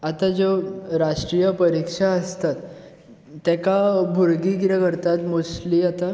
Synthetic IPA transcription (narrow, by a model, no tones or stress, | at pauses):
at̪ad͡zoɾaʂʈɾijəpəɾikʂaəst̪at̪ː | ɛkabʱuɾɡiɡɾəkəɾt̪at̪mosliat̪a